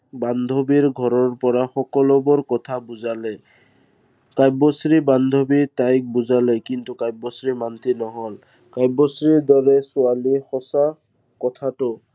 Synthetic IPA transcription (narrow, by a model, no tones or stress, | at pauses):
band̪ʱobiɹɡʱɔɹɔɹpɔɹaxɔkɔlɔbɔɹkɔtʰabuzalɛ | kajbɔsɹiband̪ʱobitajk̚buzalɛkintukajbɔsɹimantʰinɔɦɔl | kajbɔsɹiɹdɔɹɛsʊalixɔsa | kɔtʰatʊ